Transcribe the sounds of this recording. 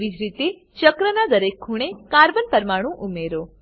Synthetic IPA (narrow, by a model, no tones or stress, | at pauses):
ʋid͡ʒɾit̪e | t͡ʃəkɾənad̪əɾekʰːuɽ̃ekaɾʋənpəɾmaɽ̃ũʔumeɾo